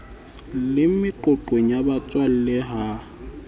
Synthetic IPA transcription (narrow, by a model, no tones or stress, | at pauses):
lɪmɪǃʊǃweɲjabat͡sʼwal̩lɛɦa